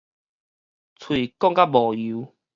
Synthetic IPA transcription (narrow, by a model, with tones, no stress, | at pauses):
t͡sʰwi˨˩kɔ˥˧ŋka˦bɔ˨˩u˨˦